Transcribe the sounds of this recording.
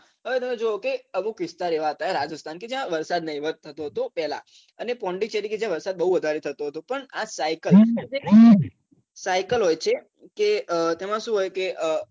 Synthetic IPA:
ɦəʋet̪əmned͡ʒookeəbukʋɪst̪aɾeʋaɦət̪aeɾad͡ʒəst̪ʰanked͡ʒjãʋəɾsad̪nəiʋət̪ʰːət̪oɦət̪õpɛɦlã̰ | ənepɔɳɖit͡ʃəɾiked͡ʒjãʋəɾsad̪̚bəɦuʋəd̪ʱaɾet̪ʰət̪ũɦət̪ũpəɳasajkələd͡ʒeko | sajkəlɦojt͡ʃʰe | keət̪emãʃũɦojkeə

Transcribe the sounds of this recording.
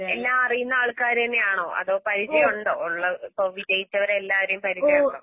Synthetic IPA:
elːaːmɐrijunːɐaːɭkaːɾenːeaːɳoːʔɐ̰ðoːpɐɾit͡ɕːɐjoɳɖoːuɭːɐkoːʋidejit͡ɕːɐʋɐɾeelːaːʋɐɾejumpɐɾiɐjɖoː

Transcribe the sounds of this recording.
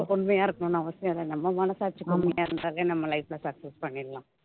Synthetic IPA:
kɔɳmɐjaːɪɾɯkːɐnʊ̃ːnaːʋɐsɪjɐ̃ðanɐmːɐmɐnɐsaːt͡ʃːɯkːɐmɐjaːɪɾɯnd̪aːleːnɐmːɐlɐɪflɐsɐksɛspɐɳːɪɾɐlãː

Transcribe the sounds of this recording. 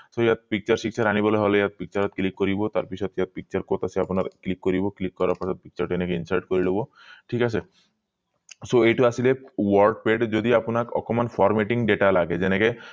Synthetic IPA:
soejat̪̚pik̚t͡ɕaɾʃikʃaɾaniboleɦoleejat̪̚pik̚t͡ɕaɾɔt̪̚klikːoɾibot̪aɾpit͡ɕʰɔt̪ijat̪̚pik̚t͡ɕaɾkot̪asʰiaponaɾklikːoɾiboklikːɔɾaɾpasɔt̪̚pik̚t͡ɕaɾʈenekeinsaɾʈ̚koɾilobo | ʈʰikasʰe | soejʈuasilewɔɾɖ̚peɖd͡ʑod̪iaponakɔ̰kɔmanfɔɾmeʈiŋɖeʈalaɡed͡ʑeneke

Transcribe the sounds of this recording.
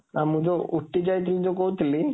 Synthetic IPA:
amud͡ʒouʈːid͡ʒajt̪ʰilid͡ʒokot̪ili

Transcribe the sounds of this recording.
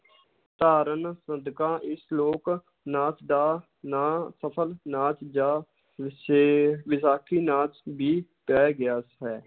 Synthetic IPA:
t̪aːɾənsəd̪kãːʔɪsloːk | naːt͡ʃd̪aː | nasəpʰəlnaːt͡ʃd͡ʒaː | ʋɪsaːkʰiːnaːt͡ʃbiːpɛːɡɪjaːsɦɛː

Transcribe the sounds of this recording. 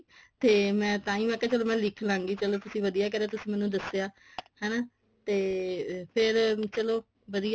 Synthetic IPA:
t̪eːmɛ̃ːt̪ãːĩːʋɛːkɛːt͡ʃəloːmɛ̃ːlɪkʰlãːŋɡiːt͡ʃəloːt̪ʊsĩːʋəd̪ijaːkɛɾaːt̪ʊsĩːmɛːnũːd̪əseaː | hɛːnaː | t̪eːpʰɪɾt͡ʃəloː | ʋəd̪ij

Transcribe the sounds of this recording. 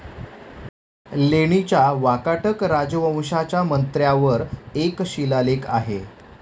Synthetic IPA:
leɽ̃it͡ɕjaʋakaʈəkɾad͡ʑʋə̃w̃ɕat͡ɕjamənt̪ɾjaʋəɾekɕilaleka̰ɦḛ

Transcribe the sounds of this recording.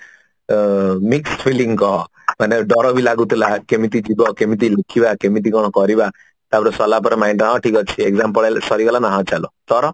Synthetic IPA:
mikspʰiliŋkɔɦɔ | maneɖɔɾɔbʱilaɡut̪ʰilakemit̪̬id͡ʒibɔkemit̪̬ilekʰibakemit̪̬ikɔɽ̃ɔkɔɾiba | t̪abɔɾɔsɔlapɔɾemajnʈãɔ̃ʈʰikɔt͡ʃʰiekzamp̬ɔɭesɔɾikɔlanaɦãt͡ʃalɔt̪ɔɾɔ

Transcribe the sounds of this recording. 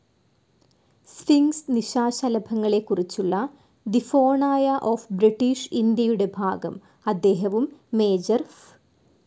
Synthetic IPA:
sfiŋɡsniɕaːɕɐlɐbʱɐŋːɐɭe̞kːurit͡ɕːuɭːɐ | d̪ifo̞ːɳaːjɐʔoːfbɾiʈːiːʂind̪jɐjuɽe̞bʱaːɡɐ̰m | ɐd̪ːe̞ːɦɐʋumːe̞ːd͡ʑɐrf

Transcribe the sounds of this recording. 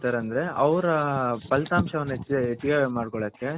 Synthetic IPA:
t̪aːɾeɐnd̪ɐɾe̞ʔɐʋɾɐpɐlt̪aːmʂɐʋɐnːɐeet͡ʃːiɡeːʋmaːɽkɔɭɐːkːe̞

